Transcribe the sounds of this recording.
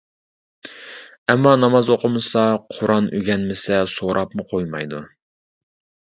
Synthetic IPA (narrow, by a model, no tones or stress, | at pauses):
ɛmːɑnɑmɑzoqʰʊmɨsɑqʰʊɾɑnyɡʲɛnmɪsɛsoɾʔɑpmʊqʰojmɑjd̪u